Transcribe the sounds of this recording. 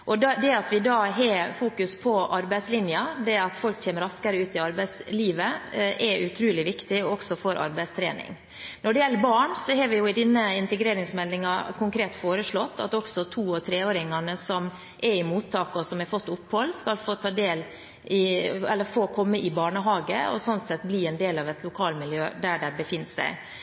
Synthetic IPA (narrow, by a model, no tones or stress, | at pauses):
ʔɔd̪d̪ɛɑt̪ʋɪd̪ɑːɦefuːkʉspʰɔʔɑɾbæɪslɪnjəd̪ɛɑt̪fɔlktʰeːməɾɑskɑɾəʉːt̪ɪɑɾbæɪsliːʋəʔɛɾʔʉt̪ʰɾʉːlɪʋɪkt̪ɪɔɔksɔfoːɾʔɑ̰ɾbæɪst̪ʰɾḛːnɪ̰ŋ | nɔɖɛjɛlːəɾbɑːɳsɔɦɑːɾʋɪjʊɪd̪ɪnːəɪnt̪əɡɾeːɾɪŋsmɛld̪ɪŋɑkʰʊŋkʰɾeːt̪foːɾəʂɭɔt̪ːɑ̰t̪ɔksɔt̪ʰuːɔt̪ʰɾeːoːɾɪŋɑnəsɔm | ʔɛɾɪmuːt̪ʰːɑːkəɔsɔmɛɾfɔt̪ːʊpːhɔlːskɑlfoːt̪ʰɑːd̪eːl | ɪɛlːəɾfoːkʰɔmːəʔɪbɑːɳəɦɑːɡəɔ̰sɔnt̪sɛt̪ːbliːɛnd̪eːlɑʋɛt̪ʰlʊkʰɑːlmɪljø̰ːd̪æɖæbəfɪnːsæ̰ɪ